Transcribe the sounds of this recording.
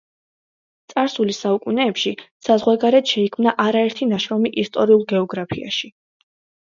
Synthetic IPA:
t̪sʼaɾsulisaukʼunɛːpʃisazʁwaɡaɾɛt̪ʃɛikʰmnaʔaɾaɛɾt̪ʰinaʃɾɔmiʔist̪ʼɔɾiulˠɡɛɔɡɾapʰia̰ʃi

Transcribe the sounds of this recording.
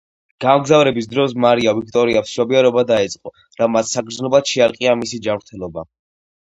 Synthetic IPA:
ɡ̥amɡzavɾɛbis̬d̪ɾɔsmaɾiavik̚ʰt̪ʼɔɾiapsʃɔbiɛɾɔbad̪ait̪sʼqʼɔ | ɾamat̪sakɾd̪znɔbat̪ʃɛaɾqʼiamisid͡ʒamɾt̪ʰɛlˠɔba

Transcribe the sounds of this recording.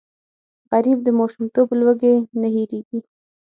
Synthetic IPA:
ɣaɾib̚d̪əmoʃʊmt̪oblwaɡenaɦiɾiɡi

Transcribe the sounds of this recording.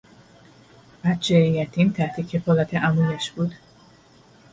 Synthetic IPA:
b̥æt̪t͡ʃʰejæt̪ʰiːnt̪ʰæht̪ʰecʰe̞fɒːlæt̪ʰeʔæmuleʃb̥uːd̪̥

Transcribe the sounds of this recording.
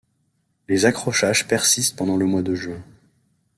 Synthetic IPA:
lezakχɔʃaʒpɛʁsist̪̚pɑ̃d̪ɑ̃ləmwad̪əʒɥɛ̃

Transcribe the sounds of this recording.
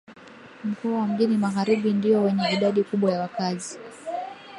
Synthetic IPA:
m̩kuawam̩ʄinimaɣaɾiɓindijɔwɛɲɛiɗaɗikuɓwajawakazi

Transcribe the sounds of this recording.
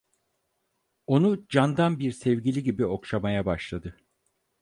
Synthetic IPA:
o̞nud͡ʒand̪anbiɾsɛvɟilʲiɟibio̞kʃamajabaʃlˠad̪ɯ

